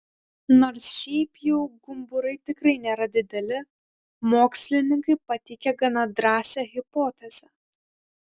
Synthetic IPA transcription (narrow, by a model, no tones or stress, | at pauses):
noːɾsʃʲɛɪpjɛʊɡʊmbʊɾɐɪt̪ʲɪkɾɐɪnʲeːɾɐd̪ʲɪd̪ʲɛlʲɪ | moːksʲlʲɪnʲɪŋkɐɪpɐt̪ʲɪkʲɛɡɐnɐd̪ɾɑːsʲɛɣʲɪpɔːt̪ʲɛzʲɛ